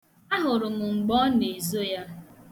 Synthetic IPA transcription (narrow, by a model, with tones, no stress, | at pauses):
a˦ɦʊ˨ɾʊ˨mʊ˨ŋ͡m̩˨ɡ͡bɔ˦ne˨zo˦ja˦